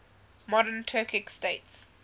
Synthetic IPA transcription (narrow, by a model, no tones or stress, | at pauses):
mɔɾəntʰɜːkɪksteɪts